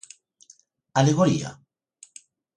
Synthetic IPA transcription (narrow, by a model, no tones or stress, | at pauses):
aleɣoɾḭa̰